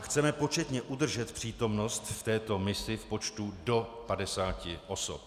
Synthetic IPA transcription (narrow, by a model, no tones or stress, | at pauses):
xt͡sɛmɛpo̞t͡ʃɛt̪ɲɛʔud̪r̩ʒɛt̪pr̝̥iːt̪o̞mno̞st̪ft̪ɛːt̪o̞mɪsɪfpo̞t͡ʃt̪udo̞padɛsaːcɪʔo̞so̰p